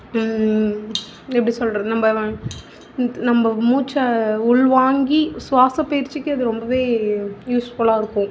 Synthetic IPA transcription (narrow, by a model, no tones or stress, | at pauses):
ɛp̬ːɐɽisɔlɾɐnɐmbɐɐ̃ | nɐmbɐmuːt͡ʃːɐʊɭʋaːŋɡisʋaːsɐpɐjɪɾt͡ʃːɪkːɯɐðɯɾɔmbɐʋeːjuːsfɔɭaːɪɾɯkːʊ̃